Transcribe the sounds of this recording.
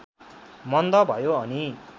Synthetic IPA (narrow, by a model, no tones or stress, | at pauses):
mʌnd̪ʌbʱʌjoʌni